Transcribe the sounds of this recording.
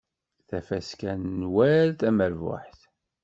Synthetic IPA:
θæfæskænnwæɾθæməɾvʊ̰ħθ

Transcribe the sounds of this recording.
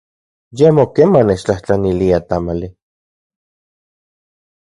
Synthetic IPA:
jemokemanːet͡ʃt͡ɬaht͡ɬaniliat̪amali

